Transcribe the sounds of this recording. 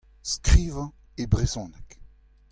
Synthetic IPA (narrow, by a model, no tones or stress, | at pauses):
skʁiːvɑ̃ | ebʁezɔ̃ːnɛk